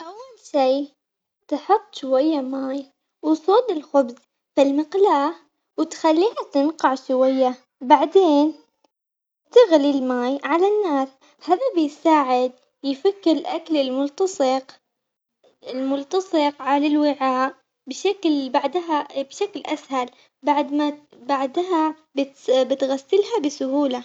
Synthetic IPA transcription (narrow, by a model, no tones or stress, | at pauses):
ʔawːalʃiː | t̪ɑħɑt̪ˤːʃwajːamaːj | wsˤoːd̪ɪlxʊbz | fɪlmɪqlaːh | wɪt̪xalːiːhat̪ɪnqɑʕʃwajːa | baʕd̪eːn | t̪ɪɣlilmaːjʕalanːaːs | haːðabɪjsaːʕɪd̪̚ | jfakːɪɾɪlʔakalɪlmʊlt̪ɑsˤɨq | ɪlmʊlt̪ɑsˤɨqʕalalwɪʕaːʔ | bɪʃaklbaʕd̪ɦabʃaklʔashal | baʕd̪ma | baʕd̪ɦa | bɪt̪bɪt̪ɣasːɪlɦabɪsʊhuːla